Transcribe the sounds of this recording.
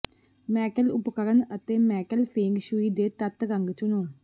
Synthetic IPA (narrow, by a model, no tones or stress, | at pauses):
mɛːkəlʊpkəɾənət̪eːmɛːkəlpʰeːŋɡʃuiːd̪eːt̪ət̪ɡəŋɡt͡ʃʊnoː